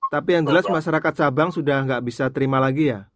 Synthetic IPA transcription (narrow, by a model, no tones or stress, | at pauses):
t̪apijaŋd͡ʒəlasmaʃaɾakat̪̚sabaŋsudahŋɡaʔbisat̪əɾimalaɡija